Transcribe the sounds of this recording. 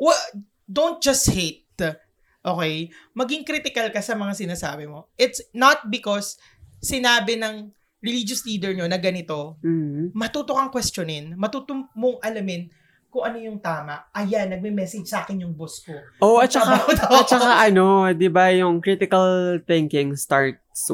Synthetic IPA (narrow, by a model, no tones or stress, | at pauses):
wɛ | d̪ownt̪̚d͡ʒɐst̪het̪̚ | ʔoːkɛjmɐɡɪŋkɾit̪ɪkɐlkɐsɐmɐŋasɪnaːsa̰ːbɪmo̞ʔɪt̪snɐt̪̚bɪkosː | ɪnaːbɪnɐŋ | ɹɛliːd͡ʒosliːd̪ɛɹɲo̞nɐɡɐnɪt̪o̞m̩ːmɐt̪ut̪okɐŋkwɛst͡ʃonɪnmɐt̪uːt̪omoŋʔɐlɐmɪn | kʊŋʔɐnojʊŋt̪aːmɐʔʔɐjanːɐɡ̚mɪmɛsɪd͡ʒsɐʔaːkɪnjʊŋboskoʔoʔɐt̚t͡ʃɐkaad̪ɐt͡ʃːɐkaʔɐno̞d̪ɪbajʊŋkɾit̪ɪkɐlt̪ɪŋkɪŋst̪aɹt̪̚s